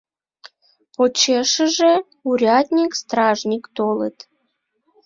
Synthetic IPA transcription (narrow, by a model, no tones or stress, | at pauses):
pot͡ɕeʃəʒe | uɾʲɑt̪ʲnʲikst̪rɑʒnʲikt̪olə̰t̪